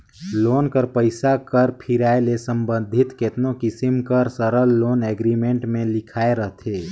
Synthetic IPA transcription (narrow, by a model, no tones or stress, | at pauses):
loːnkəɾpəɪsakəɾpʰiɾaːelesə̃mbə̃nd̪ʱɪt̪ket̪nokɪsimkəɾsəɾəlːoːnɛɡɾimẽɳʈmẽlɪkʰaːeɾəɦt̪ʰeː